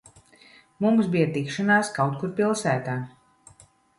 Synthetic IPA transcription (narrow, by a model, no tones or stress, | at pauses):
mumsbijat̪ikʃanaːskawt̪̚kuɾpilˠsæːt̪aː